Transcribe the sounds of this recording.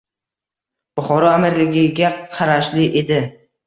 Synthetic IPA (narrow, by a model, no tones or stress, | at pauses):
b̥ʊχɒɾɒamɪɾlɪɡʲɪɡʲaqʰɑɾaʃlɪʔe̞d̪ɪ